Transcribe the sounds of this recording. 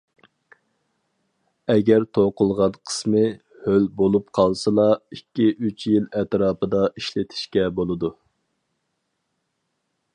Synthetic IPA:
ɛɡʲɛɾt̪ʰoqʊlˠʁɑnqʰə̥smɨ | hølbolˠup̚qʰɑlˠsɨlˠɑikʲːiʔyt͡ʃʰjilɛt̪ɾɑːpɨd̪ɑʔiʃlɪt̪ʰɪ̥ʃkʲɛbolˠɨd̪u

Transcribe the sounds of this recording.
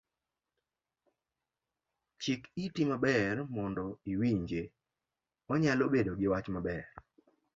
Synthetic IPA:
t͡ʃɪkitimabɛrmɔndɔiwiɲd͡ʒe | ɔɲalobedoɡɪwat͡ʃmabɛɾ

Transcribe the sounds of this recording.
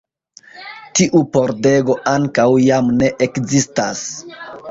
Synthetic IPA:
tiʔupo̞ɾde̞ɡo̞ʔaŋkawjamne̞ʔekzistas

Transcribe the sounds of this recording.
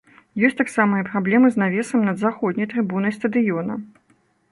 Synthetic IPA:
jɔsʲt̪aksamɐjɛpɾablʲɛmɨznavʲɛsɐmnɐd̪zaxɔd̪ʲnʲɐjt̪ɾɨbunɐjst̪ɐd̪ɨjɔnɐ

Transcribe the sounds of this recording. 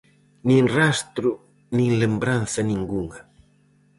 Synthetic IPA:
nĩŋrast̪ɾu | nĩŋlembɾanθɐnĩŋɡuŋɐ

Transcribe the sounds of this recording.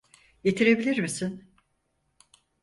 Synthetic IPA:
je̞t̪ʰiɾe̞bilʲiɾmisin

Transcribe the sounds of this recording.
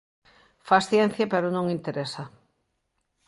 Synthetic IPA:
fasθjɛn̟θjapeɾʊnõŋint̪eɾesɐ

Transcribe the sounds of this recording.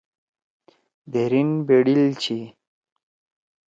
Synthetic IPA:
d̪eɾinbeɽilt͡ɕʰi

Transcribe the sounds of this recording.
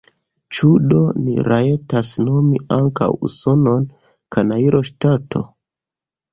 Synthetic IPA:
t͡ʃudo̞nḭɾʔae̞tasno̞miaŋka̰wṵso̞no̞n | kanaiɾʔoʃtatʰo̞̰

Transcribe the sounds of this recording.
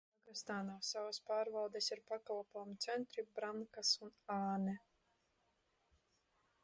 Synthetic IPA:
aɡast̪aːnaːsavaspaːɾvald̪esiɾpakalˠpɔːmit̪sɛnt̪ɾibɾaŋkasunaːnɛ

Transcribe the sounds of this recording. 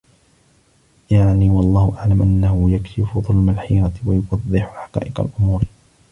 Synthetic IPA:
jaʕniwɑlˤːɑːhʊʔaʕlamʔanːahʊjakʃɪfʊðˤʊlmalħiːɾat̪wajʊfɑðˤːɪħʊħḁqa̰ːʔɪqa̰lʔʊmuːɾ

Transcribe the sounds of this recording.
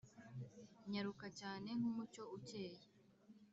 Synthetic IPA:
ɲaɾukacaːne̞ŋ̥humuco̞uce̞ːje

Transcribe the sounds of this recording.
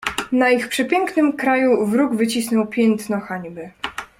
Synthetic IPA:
naixpʂɛpʲjɛŋknɘmkɾajuvɾuɡvɘt͡ɕisnɔwpʲjɛnt̪nɔxaɲbɘ

